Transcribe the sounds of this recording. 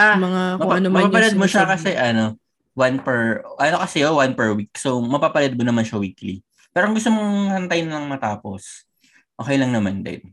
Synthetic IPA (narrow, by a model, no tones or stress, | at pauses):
amɐŋamɐaɐnomɐpapɐlɐd̪̚moʃakɐsɛʔɐno̞ | wanpɛɹʔɐnokɐsɛowanpɛɹwik̚somɐpapɐlɐd̪̚monɐmanʃɐwiːkli | pɛːɾoʔŋɡʊst̪omohɐnt̪ɐjnɐlɐŋmɐt̪aːpos | ʔoːkɛjlɐŋnɐmand̪ɐ̰d̪